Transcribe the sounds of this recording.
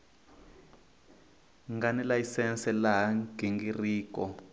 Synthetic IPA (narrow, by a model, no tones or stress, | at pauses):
ŋɡanɛlaisɛnsɛlaɦaɡʱeŋɡiriːkɔ